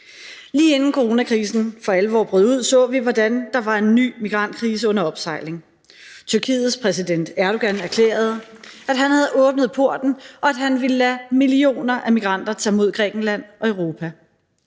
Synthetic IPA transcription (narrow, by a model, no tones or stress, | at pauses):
liːe̝nn̩kʰo̝ʁo̝nækʰʁiːsn̩fɒ̽æləʋɒ̰ːb̥ʁœðˠuð̞̰ˠsɔ̰̽ːʋiʋɒd̥ænd̥ɑ̈ʋɑ̈e̝nːy̰ːmiɡ̥ʁɑ̈n̰d̥̚kʰʁiːs̬əɔ̽n̰ɐɒ̽b̥sɑ̈ɪle̝ŋ | t͡sʰyɐkʰḭːð̩ˠspʰʁɛs̬id̥en̰d̥æɐɾ̥oɡ̥ænæɐkʰlḛːɐð̞̩ˠæd̥ɦænhæð̞ˠʔɔ̽ːb̥nð̞̩ˠpʰo̝ɐ̰d̥n̩ʔɒ̽æd̥ɦænʋiləlæmilio̝̰ːnɐʔæmiɡ̥ʁɑ̈n̰d̥ɐt͡sʰɛ̰ːmo̝ð̞̰ˠɡ̥ʁɛ̰ːɡ̥n̩læn̰ʔɒ̽øʊʁo̝ːpʰæ